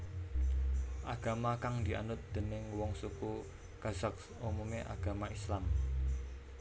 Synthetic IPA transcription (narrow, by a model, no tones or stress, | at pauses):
ʔaɡ̥a̤makaŋd̪i̤ʔa̰nʊt̪̚d̪̥ə̤nɪŋwɔŋsuku | ɡ̥a̤z̥ak̚sumumeʔa̰ɡ̥a̤maislam